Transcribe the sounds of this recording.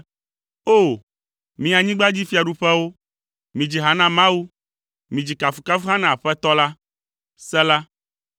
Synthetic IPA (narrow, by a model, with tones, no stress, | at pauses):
o˦˨ | mĩ˨a˨ɲĩ˦ɡ͡ba˦d͡ʑi˦fi˦a˨ɖu˨ɸɛ˦wo˦ | mĩ˨d͡ʑi˨ɦa˨nã˦mã˦wu˦ | mĩ˨d͡ʑi˨ka˨fu̥˨ka˦fu˦ɦã˦nã˨a˨ɸɛ˦t̪ɔ˦la˦ | sɛ˦la˦